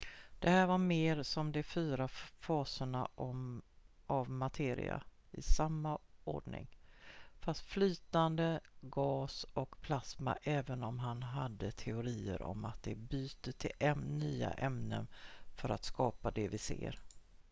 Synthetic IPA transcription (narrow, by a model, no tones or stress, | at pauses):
d̪̥ɛhæːɾvaɾmeːɾsɔmd̪ɛfyːɾafɑːsəɳa | ʔavmat̪ʰeːɾɪ̰a̰ | ɪsamːao̰ːɖɳɪ̰ŋfast̪flyːt̪and̪əɡɑːsɔkpʰlasma̰ʔɛːvənɔmɦanɦad̪ːət̪ʰɛʊɾiːə̰ɾɔ̰mat̪̚d̪ɛbyːt̪ət̪ʰɪlʔɛnyːa̰ʔɛmnə̰nfœɾa̰t̪skɑːpad̪ɛvɪsḛːɾ